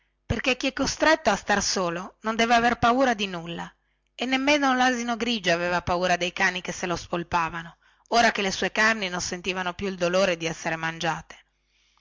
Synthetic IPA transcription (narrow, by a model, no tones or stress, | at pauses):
perk̟ek̟ːiɛkːost̪ɾet̪ːoast̪arsoːlonond̪ɛːveaverpauːɾad̪inulːa̰ | enːemːenolaːzinoɡɾiːd͡ʒoaveːvapauːɾad̪ejkaːnikesːelospolpaːvano | oːɾakelesuekarninonsent̪iːvanopjuild̪oloːɾed̪iɛsːeɾemand͡ʒaːt̪e̥